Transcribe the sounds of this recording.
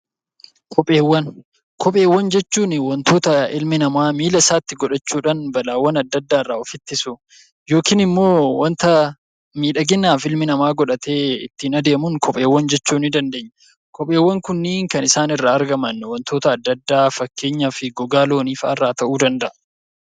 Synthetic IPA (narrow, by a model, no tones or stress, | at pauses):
kʰɔpʼe̞ːwːɐn | kʰɔpʼe̞ːwːɐnd͡ʒɛt͡ʃːuːnɪwɐnt̪o̞ːt̪ɐɪlmɪnɐmaːmiːlɐsaːt̪ːɪɡɔᶑɐt͡ʃːuːᶑɐnbɐlaːwːɐnɐd̪ːɐd̪ːaːɪrːaːɔfɪt̪ːɪsʊ | jo̞ːkiːnɪmːo̞ːwɐnt̪ɐ | miːᶑɐɡɪnːaːfɪlmɪnɐmaːɡɔᶑɐt̪e̞ːɪ̰t̪ːɪnɐd̪e̞ːmʊnkʰɔpʼe̞ːwːɐnd͡ʒɛt͡ʃːuːnɪd̪ɐnd̪e̞ːɲːɐ | kɔpʼe̞ːwːɐŋkʊnːɪŋkɐnɪsaːnɪrːaːɐɾɡɐmɐnːwɐnt̪ʰo̞ːt̪ɐːd̪ːɐd̪ːaːfɐkːe̞ːɲːafɪɡɔɡaːlo̞ːniːfɐrːaːt̪ɐʔuːd̪ɐnd̪ɐʔ